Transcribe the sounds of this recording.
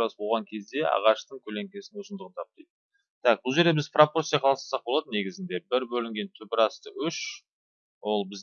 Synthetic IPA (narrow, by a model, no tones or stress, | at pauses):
ɑsbolʁɑŋkʲʰe̞zd̪e̞ɑ̰ʁɑʃt̪əɴkʲʰɵle̞ŋkʲe̞sɪnɪnosənd̪əʁənt̪ʰɑp̚t̪ɑjd̪ə | t̪ʰæk̚bʊlˠʒe̞ɾd̪e̞bɪzproport̪sijɑqʰɑlˠɑsɑ̥sɑq̚bolˠɑd̪əne̞ɡʲɪzɪnd̪e̞bɪɾbɵlɪŋɡʲe̞nt̪ʰʏpɪɾɑst̪əʔʏʃ | wo̞lˠbɪz